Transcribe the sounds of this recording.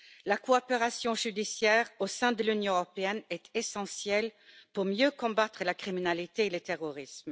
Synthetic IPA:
lakoɔpeʁasjɔ̃ʒyd̪isjɛːʁosɛ̃d̪əlynjɔ̃øʁɔpeɛnɛt̪ʰesɑ̃sjɛlpuʁmjøkɔ̃bat̪χəlakχiminalit̪eːlət̪eʁɔʁism

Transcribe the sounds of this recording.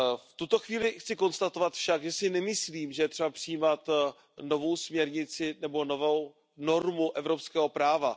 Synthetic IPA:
ft̪ut̪o̞xviːlɪxt͡sɪko̞nst̪at̪o̞vat̪fʃaɡʒɛsɪnɛmɪsliːmʒɛjɛt̪r̥ɛbapr̥ɪjiːmat̪ | no̞vo̞wsmɲɛɾɲɪt͡sɪnɛbo̞novow | no̞ɾmuʔɛvɾo̞pskɛːɦo̞pɾaːva

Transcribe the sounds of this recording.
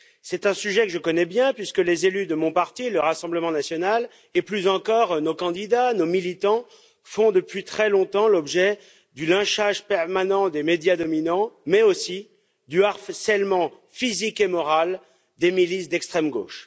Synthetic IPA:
sɛt̪ɛ̃syʒɛkəʒəkɔnɛbjɛ̃pɥiskəlezelyd̪əmɔ̃paʁt̪iləʁasɑ̃bləmɑ̃nasjɔnal | eplyzɑ̃kɔʁnokɑ̃d̪id̪anomilit̪ɑ̃ | fɔ̃d̪əpɥit̪χɛlɔ̃t̪ɑ̃lɔbʒɛ | d̪ylɛ̃ʃaʒpɛʁmanɑ̃d̪emed̪jad̪ɔminɑ̃mɛosi | d̪yaʁsɛlmɑ̃ | fizikemɔʁal | d̪emilisd̪ɛkst̪χɛmɡo̰ːʃ

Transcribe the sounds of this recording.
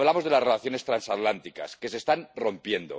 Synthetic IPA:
βlamo̞zðe̞lasrelaθjo̞ne̞st̪ɾansat̪lant̪ika̰ske̞se̞ːst̪anro̞mpje̞nd̪o̰

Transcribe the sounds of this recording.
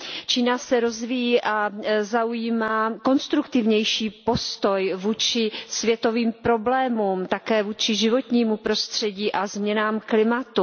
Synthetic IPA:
t͡ʃiːnasɛɾo̞zvijiːʔazaujiːmaːko̞nst̪ɾukt̪ɪvɲɛjʃiːpo̞st̪o̞jvuːt͡ʃɪsvjɛt̪o̞viːmpɾo̞blɛːmuːmt̪akɛːvuːt͡ʃɪʒɪvo̞t̪ɲiːmupɾo̞st̪r̝̥ɛɟiːʔazmɲɛnaːmklɪmat̪u

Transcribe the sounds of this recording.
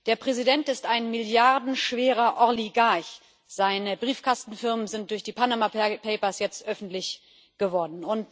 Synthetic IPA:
d̥eːɐpʁ̥ɛzidɛntɪstaɪnmɪljaʁdn̩ʃv̥eːʁ̞ɐʔɔɐliɡaɐç | z̥aɪnəbʁiːfkʰastn̩fɪɐmənzɪnt̚d̥ʊɐçd̥iːpʰanamapʰɛɪpɐsjɛt͡stʔœfn̩tlɪç | ɡ̥əvɔɐdn̩ʊnt

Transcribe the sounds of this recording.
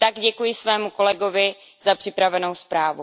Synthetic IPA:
t̪aɡɟɛkujɪsvɛːmuko̞lɛɡovɪ | zapr̥ɪpɾavɛnowspɾaːvu

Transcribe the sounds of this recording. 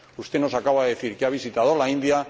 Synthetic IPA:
ust̪eno̞sakawaðe̞θiɾkeaβ̞isit̪aðolaind̪ia

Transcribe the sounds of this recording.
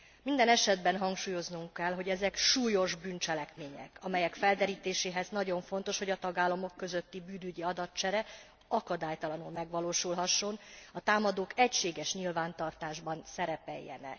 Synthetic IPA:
mind̪ɛnɛʃɛd̪bɛnɦɒŋkʃuːjo̞znuŋkːɛlɦo̞ɟɛzɛkʃuːjo̞ʒbynt͡ʃɛlɛkmeːɲɛ̰kɒmɛjɛkfɛld̪ɛɾiːt̪eːʃeːɦɛznɒɟo̞ɱfo̞n̪t̪oʃho̞ɟɒt̪ɒɡaːlːɒmo̞kːø̞zø̞t̪ːibyːnyɟiɒd̪ɒt̪t͡ʃɛɾɛ | ɒkɒd̪aːjt̪ɒlɒnulmɛɡʋɒloːʃulɦɒʃːo̞nɒt̪aːmɒd̪oːkɛcʃeːɡɛʃɲilvaːnt̪ɒrt̪aːʒbɒnsɛɾɛpɛ̰jːɛ̰nɛ̰

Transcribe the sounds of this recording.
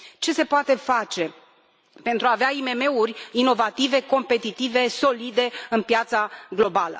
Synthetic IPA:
t͡ʃe̞se̞poat̪e̞fat͡ʃe̞ | pe̞nt̪ɾuaːveaime̞me̞urʲino̞vat̪ive̞ko̞mpe̞t̪it̪ive̞so̞lid̪e̞ɨnpjat̪saɡlo̞balə̰

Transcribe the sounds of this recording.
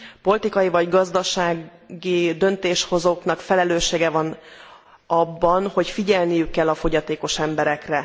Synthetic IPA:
po̞lt̪ikɒjivɒɟɡɒzd̪ɒʃaːɡɡid̪ønt̪eːʃho̞zoːknɒkfɛlɛløːʃːeːɡɛvɒn | ɒbːɒnho̞cfiɟɛlnijykːɛlːɒfo̞ɟɒt̪eːko̞ʃɛmbɛɾɛkrɛ

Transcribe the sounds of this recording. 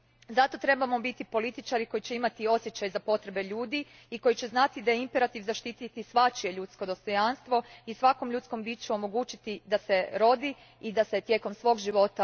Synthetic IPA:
zat̪o̞t̪ɾe̞bamo̞bit̪ipo̞lit̪it͡ʃaɾiko̞jit͡ɕe̞imat̪io̞sje̞t͡ɕajzapo̞t̪ɾe̞be̞ʎuːd̪i | iko̞jit͡ɕe̞znat̪id̪ajeimpeɾat̪iʋzaʃt̪it̪it̪isʋat͡ʃie̞ʎut̪sko̞d̪o̞st̪o̞janst̪ʋo̞isʋako̞mʎut̪sko̞mbiːt͡ʃuo̞mo̞ɡuːt͡ʃit̪id̪ase̞ɾo̞d̪i | id̪ase̞t̪je̞ko̞msʋo̞ːɡʒiʋo̞t̪a

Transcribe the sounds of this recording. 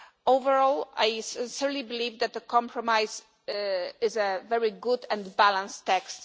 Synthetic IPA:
owvɛɹɔla̰jsɪ̃nsiɹlibilivd̪æt̪̚ðəkʰɔ̃mpʰɹɔmajz | ɪzɛvɛɹiɡʊd̪ɛ̃ndbalãnst̪ːɛkst̪

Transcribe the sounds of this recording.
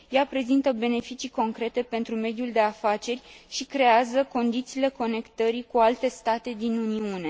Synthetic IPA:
japɾe̞zint̪əbe̞ne̞fit͡ʃiko̞ŋkɾe̞t̪e̞pe̞nt̪ɾume̞d̪juld̪e̞afat͡ʃe̞rʲʃikɾe̞azəko̞nd̪it̪siːle̞ko̞ne̞kt̪əɾikualt̪e̞st̪at̪e̞d̪inuniune̞

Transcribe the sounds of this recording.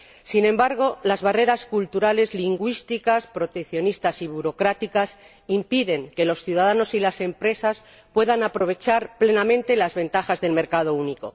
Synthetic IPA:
sinẽ̞mbaɾɣ̞o̞lazβare̞ɾaskult̪uɾale̞zliŋɡwist̪ikaspɾo̞t̪ekθjo̞nist̪asiβ̞uɾo̞kɾat̪ikas | impiðe̞ŋke̞lo̞sθjuðaðano̞silase̞mpɾe̞sas | pwe̞ðanapɾo̞β̞e̞t͡ʃaɾple̞namẽnt̪e̞lazβe̞nt̪axazðe̞lme̞ɾkaðo̞uniko̞̰

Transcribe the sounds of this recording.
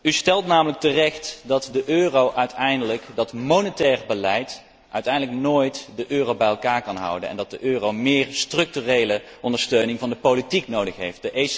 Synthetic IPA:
ystɛlˠtnaːmələk̚tərɛxtdɑtdəʔøːrowʔœɥtʰɛjndələkdɑtmonətɛːrbəlɛjt | ʔœɥtɛjndələknoːjtdəʔøːrowbɛjɛlˠkaːɹkɑnɦʌ̰wdə̰nɛ̰ndɑt̚dəʔøːrowmɪːrstrɵk̚tyrejləʔɔndəɹstøɥnɪŋvɑndəpolitiknowdəxɦejft̚d̥əʔe

